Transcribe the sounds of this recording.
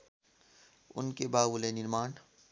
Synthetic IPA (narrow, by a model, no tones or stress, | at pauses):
ʊ̰nkebaːwulenɪɾmaːn